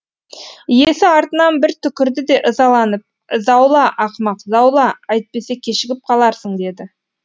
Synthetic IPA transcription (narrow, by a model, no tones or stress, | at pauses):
jesɪɑɾt̪ənɑnbɪɾt̪ʰʏkʲɪɾd̪ɪd̪e̞ʔəzɑlˠɑnəp̚ | zɑwlˠɑʔɑqmɑqzɑwlˠɑɑjt̪̚pe̞sekʲʰe̞ʃɪɡʲɪp̚qʰɑlˠɑɾsəɴd̪e̞d̪ɪ